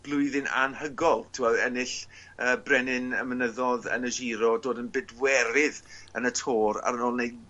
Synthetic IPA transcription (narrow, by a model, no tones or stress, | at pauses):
b̥lˠʊɨðɪnʔa̰nhəɡɔlˠtʰɪaɛnɪɬ | əːbrɛnɪnəmənəðɔðə̰nəʒiɾɔdoːdənbɪdwɛɾɪðənətʰoːɾa̰ɾənoːlˠnej